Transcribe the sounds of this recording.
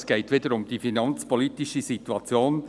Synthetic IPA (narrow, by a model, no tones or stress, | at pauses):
sɡ̥ɛɪtʋedəɾʊmd̥̪ifinɑnt͡spɔliːtiʃəsituɑt͡sjoːn